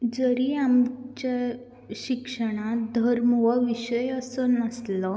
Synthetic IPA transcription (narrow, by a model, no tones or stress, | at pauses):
d͡zəɾiːamt͡ɕa | ɕikʂəɽ̃ad̪ʱəɾmʋaʋiɕəjəsənəslə